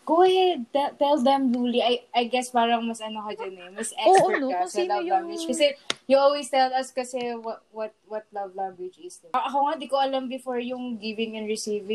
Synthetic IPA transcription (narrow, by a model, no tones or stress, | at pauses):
ɡ̥oɐhɛd̪̚t̪ɛt̪ɛld̪ɛmd̪uːliʔɐjʔɐjɡɛspaːɾɐŋmɐsʔɐnokɐd͡ʒɐnɛmɐsʔɛokaslavãŋɡwɪd͡ʒkɐsɛjʊʔolwest̪ɛlɐskɐsɛwɐwɐt̪̚wɐt̪̚lɐvlãŋɡwɪd͡ʒɪsd̪ʔɐkowŋad̪ikoʔɐlambɪfoɹjʊŋɡivɪ̃ŋɛ̃nɹɪsivɪ